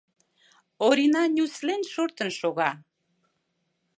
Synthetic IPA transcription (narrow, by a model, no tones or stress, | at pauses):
oɾinɑnʲuslenʲʃoɾt̪ə̆nʃoɣɑ